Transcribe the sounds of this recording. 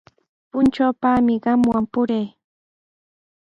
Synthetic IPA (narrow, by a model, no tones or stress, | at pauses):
pʊnt͡ʃawpaːmɪɢɑmwampʊɾej